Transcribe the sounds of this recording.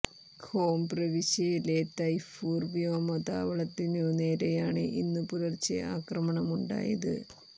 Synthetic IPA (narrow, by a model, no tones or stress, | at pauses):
kʰo̞ːmprɐʋiɕɐjilet̪ːɐjfuːrʋijoːmɐd̪a̰ːʋɐɭɐt̪ːinoneːɾejaːɳɨʔinːɨpuɾɐrt͡ɕːɨ̰ʔa̰ːkrɐmɐɳɐmuɳɖa̰ːjɐ̰ðɨ̰